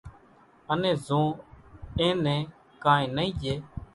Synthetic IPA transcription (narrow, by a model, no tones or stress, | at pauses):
ənẽːzõː | ẽːnẽː | kãːẽːnəĩːd͡ʒeː